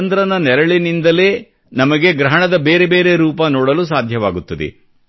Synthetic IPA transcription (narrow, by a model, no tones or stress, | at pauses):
nd̪ɾɐnɐnɛɾɐɭinind̪ɐle̞ː | nɐmɐɡe̞ɡɾɐɦɐɳɐd̪ɐbeːɾebe̞ːɾe̞ɾuːpɐnɔːɽɐlus̬aːd̪ʱjɐʋaːɡut̪ːɐd̪ḛ